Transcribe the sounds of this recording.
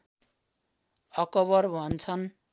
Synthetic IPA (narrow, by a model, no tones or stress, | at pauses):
ʌkʌβʌrbʱʌnt͡sʰʌn